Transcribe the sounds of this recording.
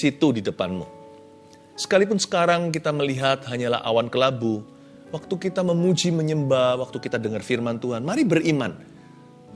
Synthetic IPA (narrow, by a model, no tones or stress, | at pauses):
sit̪udidəpanmṵ | sə̥kalip̬ʊnsə̥kaɾaŋkit̪aməliɦat̪̚ɦaɲala̰ɦʔa̰wankəlabu | wak̚t̪ukit̪aməmud͡ʒiməɲəmbawak̚t̪ukit̪adəŋarfirmant̪uɦanmaɾibərima̰n